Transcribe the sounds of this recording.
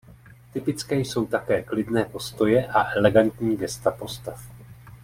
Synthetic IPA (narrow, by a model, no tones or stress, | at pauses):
t̪ɪpɪt͡skɛːjso̞wt̪akɛːklɪdnɛːpo̞st̪o̞jɛʔaʔɛlɛɡant̪ɲiːɡɛst̪apo̞st̪af